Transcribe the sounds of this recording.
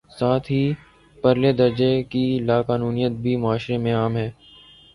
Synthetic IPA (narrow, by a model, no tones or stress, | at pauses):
saːt̪ʰɦiː | pɐɾled̪ɐɾd͡ʒekilaːkaːnuːnijət̪̚bʱimʊaːʃɾemẽaːmɦɛː